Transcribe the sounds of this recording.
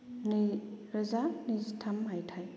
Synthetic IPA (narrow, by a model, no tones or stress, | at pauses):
niɾɐzanizitʰamɦajtʰaj